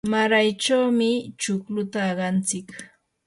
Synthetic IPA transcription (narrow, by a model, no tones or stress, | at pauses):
maɾajt͡ʃawmɪt͡ʃʊklʊt̪aːɢɑnt͡sɪk